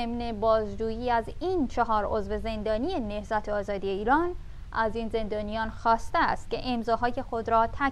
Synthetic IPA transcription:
emne̞bɒːzd͡ʒuːjiːæziːnt͡ʃʰeɦɒːɾo̞zve̞ze̞nd̪ɒːnije̞ne̞hzæt̪ʰeɒːzɒːd̪ije̞iːɾɒːn | ʔæziːnze̞nd̪ɒːnijɒːnxɒːst̪eæ̰st̪̚ce̞ʔemzɒːɦɒːje̞xo̞d̪ɾɒːt̪ʰæ

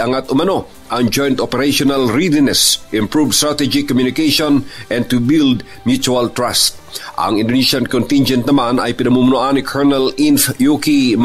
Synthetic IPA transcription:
ɐŋat̪ʔʊmɐno̞ | ʔɐŋd͡ʒojnt̪opɛɾaʃonɐlɹid̪ɪnɛsʔɪ̃mpɹuvst̪ɹat̪ɛd͡ʒikomjʊnɪkɛʃonʔɛ̃nt̪ʊbild̪ | mjut͡ʃuɐlt̪ɹast̪̚ | ʔɐ̰ŋɪnd̪oniʃɐnkont̪ind͡ʒɛnt̪̚nɐmanɐ̰jpɪnɐmumʊnʊʔanɪkʰɛɹnɛlinfjukim

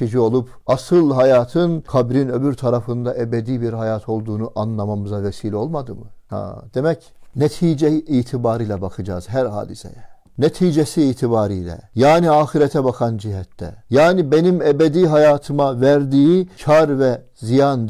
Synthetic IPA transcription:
id͡ʒio̞lˠup | ɑsɯlˠɦajaːt̪ʰɯnkʰabɾinø̞byɾt̪ʰaɾafɯnd̪ɑʔebɛd̪iːbiɾɦhajaːt̪ʰo̞lˠd̪uːnuʔɑnlˠɑmamɯzavɛsiːlʲo̞lˠmad̪ɯmɯha̰d̪̥e̞mɛc | nɛt̪ʰiːd͡ʒɛʔiːt̪ʰibaːɾiːlɛbakʰɯd͡ʒa̰ːz̥ɦæɾɦa̰ːd̪isɛ̰jɛ | nɛt̪ʰiːd͡ʒɛsiːt̪ʰibaːɾiːlʲɛ̰jaːniaːxiɾɛt̪ʰɛbɑkʰɑnd͡ʒiɦɛt̪ʰːɛ̰jaːnibenimɛbɛd̪iɦajaːt̪ʰɯmavæɾd̪ijicʰɑɾvɛ | zijan

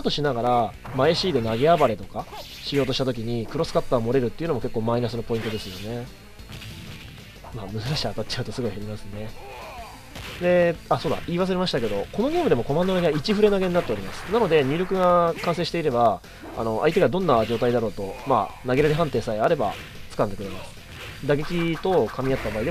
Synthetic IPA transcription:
t̪o̞ɕinaɡaɾa | maeɕiːd̪e̞naɡe̞abaɾe̞t̪o̞ka | ɕijo̞ːt̪o̞ɕit̪at̪o̞kʲiɲ̟ikɯ̟ɾo̞sɨ̥kat̪ːaomo̞ɾe̞ɾɯ̟t̪ːeiɯ̟no̞mo̞ke̞kːo̞ːmainasɨno̞po̞ĩnt̪o̞d̪e̞sɨjo̞ne̞ | maːmɯ̟zɨɾaɕiat̪at͡ɕt͡ɕaɯ̟t̪o̞sɨɡo̞iheɾʲimasɨne̞ | d̪e̞aso̞ːd̪a̰iːβas̬ɨɾe̞maɕi̥t̪ake̞d̪o̞ko̞no̞ɡʲe̞ːmɯd̪e̞mo̞ko̞mãnd̪o̞naɡeait͡ɕiɸɯ̟ɾe̞naɡe̞ɲnat̪ːe̞o̞ɾʲimasɨ̥nano̞d̪e̞ɲ̟ɨːɾʲokɯ̟ɡakãɰ̃s̬ẽɕi̥t̪e̞iɾe̞ba | a̰no̞ʔa̰it̪eɡad̪õ̞nːad͡ʑo̞ːt̪aid̪aɾo̞ːt̪o̞ma̰ːnaɡe̞ɾeɾeɦãnt̪e̞ːsaiaɾe̞ba̰ | t͡sɨ̥kãnd̪e̞kɯ̟ɾemasɨ̥ | d̪aɡe̞kʲit̪o̞kʰamʲijat̪ːabaːid̪e

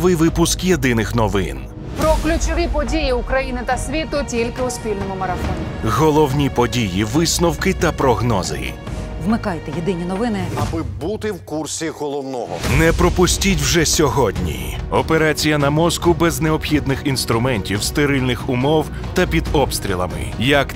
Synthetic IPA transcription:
ʋɪjʋɪpʊskjed̪ɪnɪxnɔʋɪ̰n | pɾɔklʲʊt͡ʃɔʋʲipɔdʲijiʊkɾɐjinɪt̪ɐsʲʋʲit̪ʊtʲilʲkɪʊsʲpʲilʲnɔmʊmɐɾɐfɔnʲɪɣɔlˠɔwnʲipɔdʲijiʋɪsnɔwkɪt̪ɐpɾɔɦnɔzɪ̰ | ʋmɪkɑjt̪ɛjed̪ɪnʲinɔʋɪnɪabɪbut̪ɪwkursʲiɣɔlˠɔwnɔɦɔ̰nɛpɾɔpʊsʲtʲitʲwʒɛsʲɔɦɔdʲnʲḭɔpeɾat͡sʲijɐnɐmɔskʊbɛznɛɔpxʲid̪̚nɪxinst̪ɾʊmɛnʲtʲiwst̪eɾɪlʲnɪxʊmɔw | t̪ɐpʲid̪ɔpst̪ɾʲilˠɐ̰mɪ̰jɐk

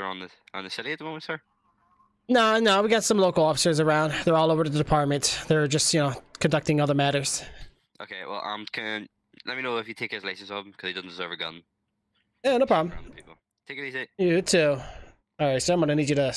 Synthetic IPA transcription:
ə˞ə̰̃nɪ̥ | ə̰̃nðəsɛɾiət̪̚ðəmõm̃ntsə˞ | noʊnoʊwiɡɛtsʌ̃mloʊkəlˠɔfɪ̥sə˞zə˞ãʊ̃ndðə˞ɔlˠoʊvə˞ɾəðədɪpʰɑɹt̚mə̃ntðə˞d͡ʒʌstjɨnoʊkʰə̃ndʌk̚tɪ̃ŋʌðə˞mæɾə˞z̥ | ʔo̰kʰḛwɛ̰lˠʔʌ̰̃mkʰə | lɛt̚minoʊɪfjɨtʰekəzleɪsə̃nzɔvə̃m̩kʰʌzðedɪdⁿn̩d̥ɪzɜ˞vəɡʌ̰̃n | jænoʊpʰɹ̥ɑblmã̰ʊ̃pipl̩ˠ | tʰekəlisɪjəɡd̚tʰʉ | ɔɹaɪtsoãɪ̃mʌnənid͡ʒɨɾə

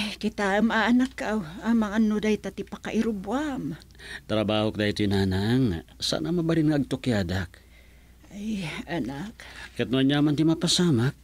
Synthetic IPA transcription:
kit̪amaaːnakːaʔwamaŋanːod̪ajt̪at̪ipakaʔiɾubuam | t̪aɾabahʊk̚d̪ait̪uinanaŋsa̰namabaɾinŋaːɡ̚t̪okiadak̚ | ajanakkat̪nuaɲamant̪imapasamak̚

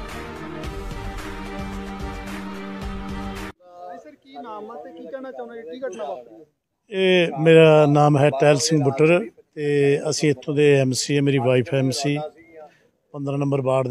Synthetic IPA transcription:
naːmt̪ːikɛnaiːk | eːmeːɾaːnaːmɦɛːʈɛːlsɪ̃ŋɡbʊʈəɾt̪eːəsĩːɪt̪ʰːõːd̪eːɛːmsiːɛːmeːɾiːʋaːiːpʰɛːmsiː | pənd̪ɾãːnə̃mbəɾbaːɽd̪

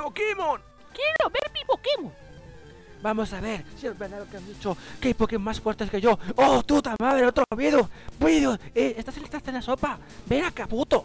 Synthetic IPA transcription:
okimon | kjeɾoβeɾmiβokimo | bamosaβe̞ɾsiezβeɾðalokeand̪it͡ʃokeajpokimmasfweɾt̪eskeʝoot̪ut̪amaðɾeot̪ɾooβiðobiðoseest̪asenest̪ɾaθenasopa | benakaput̪o

